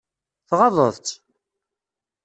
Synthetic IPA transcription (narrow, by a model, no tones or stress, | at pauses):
θʁɑðˤə̰ðˤt͡s